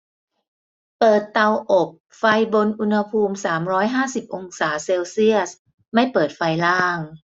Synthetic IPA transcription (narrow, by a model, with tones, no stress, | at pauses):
pɤː˨˩t̪ːa˧wʔo˨˩p̚ | fa˧jbo˧nʔu˧nha˧pʰuː˧msaː˩˦mɾɔː˦˥jɦaː˥˩si˨˩p̚ʔo˧ŋsaː˩˦seː˧wsi˥˩əs | ma˥˩jpɤː˨˩t̪̚fa˧jlaː˥˩ŋ